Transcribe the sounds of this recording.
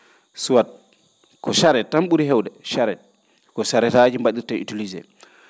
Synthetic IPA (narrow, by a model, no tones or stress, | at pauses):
suwat̚ | kɔʃaɾɛtamɓuɾiɦɛwdɛʃaɾɛ | kɔsaɾɛtad͡ʒimbaɗiɾtaʔḭtulizɛ̰